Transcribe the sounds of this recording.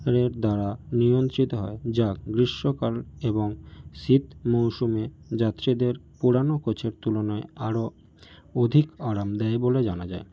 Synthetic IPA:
ɾeɾd̪aɾaniont̪ɾit̪oɦɔed͡ʑaɡɾiʃːokaleboŋʃit̪mowʃume | d͡ʑat̪ːɾid̪eɾpuɽanokot͡ɕʰeɾt̪ulonɔeaɾo | od̪ʱikaɾamd̪ɛeboled͡ʑanad͡ʑae

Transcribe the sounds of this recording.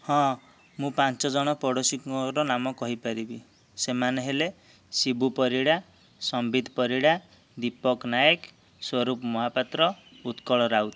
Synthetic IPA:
hɔ̃ | mũpant͡ʃɔd͡ʒɔɽ̃ɔpɔɽosikɔɾɔnamɔkɔɦipaɾibi | semaneɦele | sibupɔɾiɽa | sɔmbid̪ʱpɔɾiɽa | d̪ipɔknajek | swɔɾupmɔɦapat̪ɾɔ | ut̪kɔɭɔɾawt̪i̥

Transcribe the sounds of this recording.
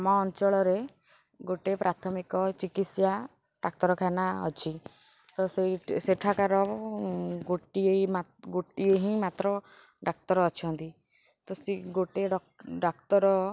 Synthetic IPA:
mɔːnt͡ʃɔɭɔɾe | ɡoʈepɾʔat̪ʰɔmikɔt͡ʃikit̪sja | ɖak̚t̪ɔɾɔkʰanaɔ̰t͡ʃʰi | t̪ɔseseʈʰakaɾɔ | ɡoʈieimaɡoʈieɦĩmat̪ɾɔ | ɖak̚t̪ɔɾɔːt͡ʃʰɔnt̪i | t̪ɔsiɡoʈeɖ | ɖakt̪ɔɾɔ

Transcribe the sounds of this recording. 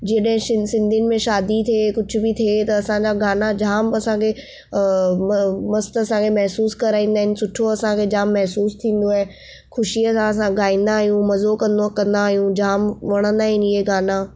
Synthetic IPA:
d͡ʑiɗəɦɪ̃sɪ̃sɪ̃nd̪ʱijʊnɪ̆mẽʃaːd̪it̪ʰiekʊd͡ʑʱʊ̆bit̪ʰiet̪ɐɐsãɲd͡ʑaɡaːnad͡ʑaːmɐsãkʰe | mmɐst̪ɐsãkʰemɐɦsuːskɐɾaːĩːnd̪aːɦɪnɪ̆sʊʈʰoɐsãkʰed͡ʑaːmːɐɦsuːst̪ʰĩːn̆d̪oaɦe | xʰʊʃiɐsãɐs̬ãɡaːĩːn̆d̪aːɦijũmɐzokɐ̃nd̪okɐ̃nd̪aːɦijũd͡ʑaːmʋɐɽ̃ə̃nd̪aːɦɪnɪɦeɡaːna

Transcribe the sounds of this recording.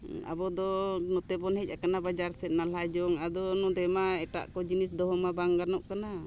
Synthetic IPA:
a̰bɔd̪ɔnɔt̪ɛbɔnhɛc̚ˀakanabad͡ʒaɾsɛt̪̚nalad͡ʒɔŋad̪ɔnɔd̪ɛmaɛʈa̰ʔkɔd͡ʒinisd̪ɔɦɔmabaŋɡanɔʔkana

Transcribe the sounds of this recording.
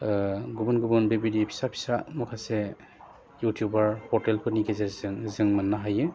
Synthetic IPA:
ɡubunɡubɔnbebidipʰi̥sapʰi̥samɔkʰasɛ | jutʰijubaɹpʰɔɹtɛlkʰɯnikɛzɛzɯŋzɯŋmanːaɦajɯ

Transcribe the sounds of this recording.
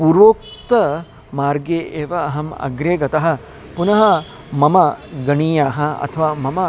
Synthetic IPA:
puɾʋoːk̚t̪ɐ | maːɾɡeːʔeːʋɐ̰ːɦɐmɐ̰ɡɾeːɡɐt̪ɐɦɐ̆ | punɐɦɐ | mɐmɐɡɐɳiːjaːɦɐɐ̰t̪ʰɐʋaːmɐmɐ

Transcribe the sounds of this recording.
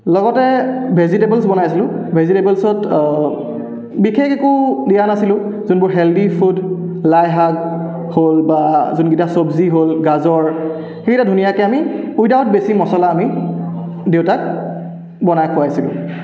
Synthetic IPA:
lɔɡɔtɛbʱezitebɛlsbɔnajasilʊ̃bʱezitebɛlsɔt | bixexekʊdijanasilʊ̃ | zunbʊɹɦeldipʰud | lajɦaɡ | holbazunɡitasobziɦolɡazɔɹ | xeɡitadʱunijakɛamiujdaʊt̚besimɔsɔlaːmi | dewtak̚ | bɔnajkʰʊajasilʊ̰̃

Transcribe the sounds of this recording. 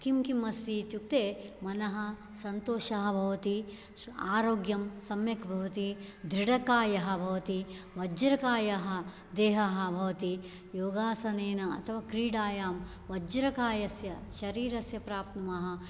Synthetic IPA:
kimkimːɐst̪iːt̪juk̚t̪eːmɐnɐɦɐ̆ | sɐnt̪oːʃɐɦɐbʱɐʋɐt̪i | aːɾoːɡjɐmsɐmjɐkbʱɐʋɐt̪id̪ɾiɽɐkaːjɐɦɐ̆bʱɐʋɐt̪iʋɐd͡ʒɐɾɐkaːjɐɦɐ̆ | d̪eːɦɐɦɐ̆bʱɐʋɐt̪i | joːɡaːsɐneːnɐɐ̰t̪ʰɐʋaːkɾiːɽaːjaːm | ʋɐd͡ʒɐɾɐkaːjɐsjɐʃɐɾiːɾɐsjɐpɾaːp̚t̪nɐmɐɦɐ̆

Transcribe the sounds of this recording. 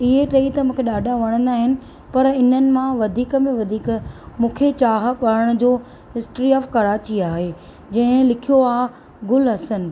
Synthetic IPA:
ɪɦeʈeit̪ɐmũːkʰeɗaːɖʱaʋɐɽ̃ə̃nd̪aːɦɪnɪ̆ | pɐɾɪnənɪ̆mãʋɐd̪ʱiːkə̆mẽʋɐd̪ʱiːkmũːkʰet͡ɕaːɦɓɐɾəɽ̃ʊ̆d͡ʑoː | ɦɪsʈɾiɔːfkɐɾaːt͡ɕiaːɦeː | d͡ʑɐ̃ɦɪ̃lɪkʰijoaːɦ | ɡʊlɦɐsənɪ̆

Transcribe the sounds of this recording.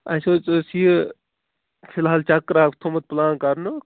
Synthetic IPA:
ɐsot͡sːsi | pʰilɦaːlt͡ʃɐkɾaːkʰt̪ʰomɐt̪̚plaːnkɐɾno

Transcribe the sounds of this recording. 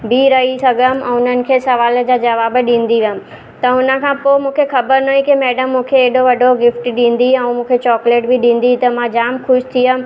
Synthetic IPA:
bʱɪɾɐɦisɐɡʱəm̆ɛ̃ʊn̤ənɪ̆kʰeːsɐʋaːld͡ʑaːd͡ʑɐʋaːbɗĩːn̆d̪iʋiəmɪ̆ | t̪ɐʊnə̆kʰãːpoːmũːkʰexɐbəɾnɐɦĩkemɛːɖəmːũːkʰeːɗoʋɐɖʱoɡɪfʈɗĩːnd̪iɛ̃mũːkʰet͡ɕɔːkleːʈbɪɗĩːn̆d̪it̪ɐmãd͡ʑaːmxʊʃt̪ʰijəm̆

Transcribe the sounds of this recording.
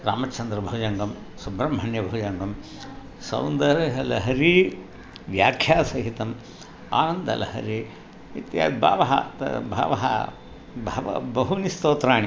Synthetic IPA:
ɾaːmɐt͡ʃʰːɐnd̪ɾɐbʱɐud͡ʒɐŋɡɐm | subɾɐmʱɐɳjɐbʱɐud͡ʒɐŋɡɐm | sɐ̰wnd̪ɐɾɐɦɐlɐɦɐɾi | ʋjaːkʰjaːsɐɦit̪ɐm | a̰ːnɐnd̪ʱɐ̰lɐ̰hɐ̰ɾi | it̪ja̰ːd̪bʱa̰ːʋɐɦɐ̰t̪bʱa̰ːʋɐɦɐ̰ | bʱɐʋɐ̰bɐɦunist̪oːt̪ɾaːɳi

